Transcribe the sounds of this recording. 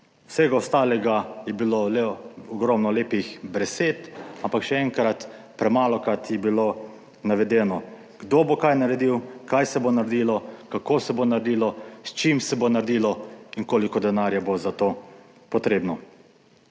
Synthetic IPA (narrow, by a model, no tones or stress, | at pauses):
w̥sɛɡaɔst̪aːlɛɡajɛbiloːlɛɔɡɾɔmnɔleːpixbɾɛseːt̪ampakʃɛɛŋkɾat̪ | pɾɛmaːlɔkɾat̪jɛbilo | naʋɛd̪ɛːnɔ | ɡ̥d̪oːbokajnaɾɛd̪iwkajsɛbonaɾd̪iːlɔkakoːsɛbonaɾd̪iːlɔst͡ʃimsɛbonaɾd̪iːlɔiŋkoːlikɔd̪ɛnaːɾjabozat̪oː | pɔt̪ɾeːbnɔ